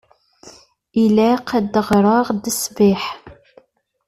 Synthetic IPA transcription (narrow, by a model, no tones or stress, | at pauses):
ilæqʰæd̪əʁɾˤəʁd̪əsvɪħ